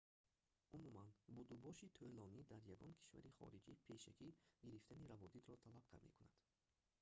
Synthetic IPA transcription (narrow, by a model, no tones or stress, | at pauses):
ʔumumanbud̪ubɔʃit̪ʰølɔnid̪aɾjaɡɔnkʰi̥ʃva̰ɾiχɔ̰ɾid͡ʒipʰe̞ʃakʰiɡiɾift̪ʰaniɾavɔd̪it̪ɾɔt̪ʰalab̚k̪ʰa̰me̞̰kuna̰d̪̥